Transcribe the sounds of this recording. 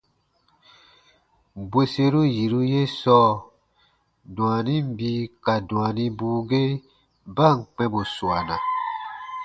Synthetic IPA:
bwe˦se˧ɾu˦ji˨ɾu˦je˦sɔː˦ | dũ˨a˨nĩ˦m̩˦bi˦ka˨dũ˨a˨nĩ˦buː˧˦ɡe˦ | ba˦˨ŋ˨k͡pɛ̃˧bo˨su˨a˨nã̰˨

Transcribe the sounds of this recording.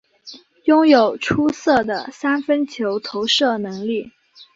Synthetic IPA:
jʊ˥ŋjo˨˩ʊʈ͡ʂʰu˥sɤ˥˩d̪ə˩sa˥nfə˥nt͡ɕʰjo˧˥ʊt̪ʰo˧˥ʊʂɤ˥˩nɤ˧˥ŋli˥˩

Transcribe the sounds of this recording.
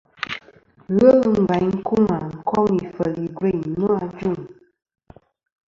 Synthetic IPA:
ɣə˦ɣŋ̩˨ɡa˨ɲŋ̩˦ku˦ŋa˨ŋ̩˨kʰɔ˦ŋi˨fə˨li˨ɡwe˦˨ɲ˨nːu˦a˦˨d͡ʒu˦˨ŋ

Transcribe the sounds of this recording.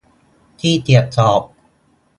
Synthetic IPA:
t̪ʰiː˥˩t̪i˨˩ət̪̚sɔː˨˩p̚

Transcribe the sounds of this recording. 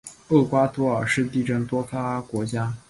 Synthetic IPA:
ɤ˥˩kwa˥t̪ʰwɔ˧˥ə˞˨˩ʂɻ̩˥˧t̪̬i˥˩ʈ͡ʂə˥˩ŋt̪wɔ˥kʰa˥kwɔ˧˥t͡ɕja˥

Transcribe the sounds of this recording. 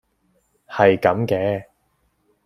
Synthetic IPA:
hɐ˨jkɐ˨˥mkɛː˧

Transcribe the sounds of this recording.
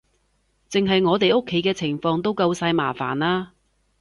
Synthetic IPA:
t͡sɪ˨ŋɦɐ˨jŋɔː˨˧t̪e˨jʊ˥kʰːe˨˥jkɛː˧t͡sʰɪ˨˩ŋfɔː˧ŋt̪o˥wkɐ˧wsaː˧jma̰ː˨˩fa̰ː˨˩naː˧

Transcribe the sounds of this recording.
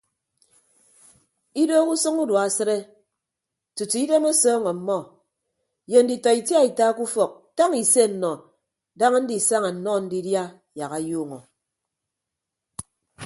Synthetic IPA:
i˦doː˦ku˦sɨ˦ŋu˦dwa˨sɨ˦ɾe˦ | tu˨tu˨i˦de˦mo˦sɔː˦ŋɔ˨m̩˦mɔ˦ | je˨n̩˦di˨tɔ˨i˨tja˦i˨ta˦ku˦fɔ˨k̚ta˦ŋi˨se˦˨n̩˨nɔ˨ | da˦ŋa˦n̩˦di˨sa˦ŋa˨n̩˨nɔ˦˨n̩˦di˦dja˦ | ja˨ɣa˨juː˦ŋɔ˨

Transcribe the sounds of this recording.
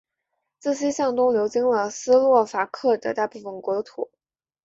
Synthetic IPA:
t͡sɹ̩˥˩ɕi˥ɕjɑ˥˩ŋt̪ʊ˥ŋljo˧˥ʊt͡ɕi˥ŋlə˨sɹ̩˥lwɔ˥˩fa˨˩kʰɤ˥˩d̪ə˩t̪a˥˧pu˥˩fə˨˩nkwɔ˧˥d̪ə˧t̪ʰu˨˩˦

